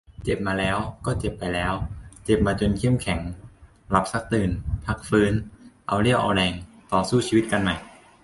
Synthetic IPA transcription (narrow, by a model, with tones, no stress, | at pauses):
t͡ɕe˨˩p̚maː˧lɛː˦˥wkɔː˥˩t͡ɕe˨˩pːa˧jlɛː˦˥wt͡ɕe˨˩p̚maː˧t͡ɕo˧nkʰe˥˩˨mkʰɛ˩˦ŋ | la˨˩p̚sa˦˥k̚t̪ɯː˨˩npʰa˦˥k̚fɯː˦˥nʔa˧wli˥˩əwʔa̰˧wlɛː˧ŋt̪ɔː˨˩suː˥˩t͡ɕʰiː˧wi˦˥t̪̚ka˧nma˨˩j